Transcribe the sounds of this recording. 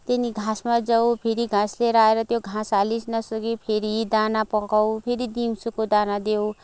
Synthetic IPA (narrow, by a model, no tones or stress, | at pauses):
t̪eniɡʱãsmad͡zʌwpʰeɾiɡʱãsleɾaeɾʌt̪joɡʱãsalisnʌsʌɡipʰeɾid̪anapʌkawpʰeɾid̪imsukod̪anad̪ew